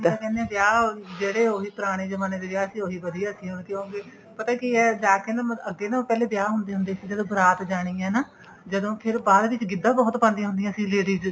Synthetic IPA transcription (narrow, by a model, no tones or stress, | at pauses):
ãːkɛ̃nd̪eãːbjaːd͡ʒeːɽeːoːɦiːpəɾaːɽ̃eːd͡ʒəmaːneːd̪eːbjaːsiːoːɦiːbəd̪iːaːsĩːɦonkjõːɡeː | pət̪ãːkiɛːd͡ʒaːkeːnãːəɡːeːnãːpɛːleːbjaːɦʊnd̪eːɦʊnd̪eːsid͡ʒəd̪õːbəɾaːt̪d͡ʒaːɽ̃iːɛ̃ːnaː | d͡ʒəd̪õːpʰɪɾbaːd̪ʋɪt͡ʃɡɪd̪ːãːbɔːt̪pãːnd̪iãɦʊ̃nd̪ijãːsĩːleːɽiːd͡ʒ